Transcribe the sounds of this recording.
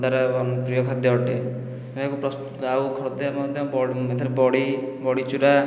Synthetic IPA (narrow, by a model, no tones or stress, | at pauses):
d̪aɾepɾijɔkʰad̪eɔʈe | ekupɾɔs | awkʰɔɾɔd̪emad̪ʱjɔbɔɽet̪ʰaɾebɔɽibɔɽit͡ʃuɾa